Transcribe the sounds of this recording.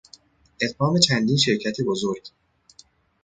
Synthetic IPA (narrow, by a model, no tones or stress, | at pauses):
ʔe̞t̪hɒːme̞t͡ʃʰænd̪inʃe̞ɾcʰæt̪ʰebozoɾɟ̥